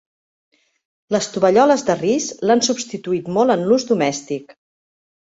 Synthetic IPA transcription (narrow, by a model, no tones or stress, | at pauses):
ləst̪uβəʎɔləzðərizlansubst̪it̪uit̪mɔlˠənluzd̪umɛst̪ik